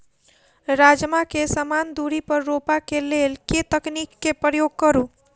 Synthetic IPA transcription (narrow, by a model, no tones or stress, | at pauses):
ɾad͡ʒmakesəmand̪uɾipəɾːopakelelket̪əknikːepɾəjoɡ̚kəɾu